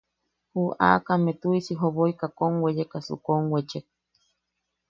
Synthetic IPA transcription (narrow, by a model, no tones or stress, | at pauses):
huʔa̰kamet̪uisiɦoβoikakoŋwejekasṵkoŋwet͡ʃek̚